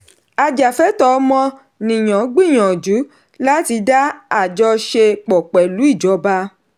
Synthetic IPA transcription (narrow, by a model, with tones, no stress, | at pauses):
a˨d͡ʒa˨fɛ˨˦tɔ˧˦mɔ̃˧ | nĩ˨j̃ɔ̃˨˦ɡ͡bĩ˦˨j̃ɔ̃˨d͡ʒu˨˦ | la˦ti˧da˦a˦˨d͡ʒɔ˧ʃe˧k͡pɔ˨k͡pɛ˨lu˨˦i˦˨d͡ʒɔ˨˦ba˧